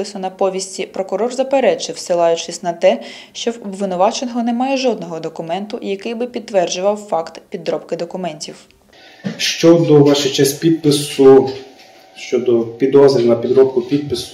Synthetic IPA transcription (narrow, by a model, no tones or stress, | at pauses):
ɪsʊnɐpɔʋʲisʲtʲipɾɔkʊɾɔrzɐpeɾɛt͡ʃɪwsɪlˠɑjʊt͡ʃɪsʲnɐt̪ɛ | ʃt͡ʃɔwʋɪnʊʋɑt͡ʃenɦɔnɛmɑjɛʒɔd̪̚nɔɦɔd̪ɔkʊmɛnt̪ʊjɐkɪjbɪpʲid̪̚t̪ːʋɛrd͡ʒʊʋɐwfɑkt̪pʲid̪ɾɔpkɪd̪ɔkʊmɛnʲtʲiw | ʃt͡ʃɔd̪ɔʋɑʃɪt͡ʃɛsʲpʲid̪̚pɪsʊ | ʃt͡ʃɔd̪ɔpʲid̪ɔzɾʲinɐpʲid̪ɾɔpkʊpʲid̪̚pɪsʊ